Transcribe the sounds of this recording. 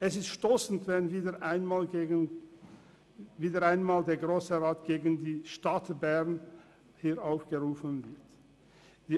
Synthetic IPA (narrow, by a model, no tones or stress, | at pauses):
ʔɛsɪstʃtoːsn̩tvɛnviːdəʔaɪnmaːlen | viːdɐʁaɪnmaːldeːɐɡʁoːsəʁaːtɡ̥eːɡən̩diːʃtatbɛʁn | hiːɐʔaʊfɡ̥əʁuːfən̩vɪɐt | d̥iː